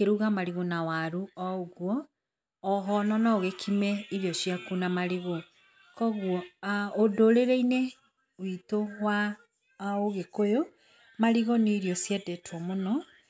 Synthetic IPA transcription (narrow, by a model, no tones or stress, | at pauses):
keɾuɣamaɾiɣonawaɾuɔoɣwɔː | ɦɔnɔnaoɣekʰimɛiɾjɔʃjakunamaɾiɣo | kɔɣwɔodoɾeɾeine | witowa | oɣekojo | maɾiɣoneːɾiɔsjɛdɛtwɔmonɔ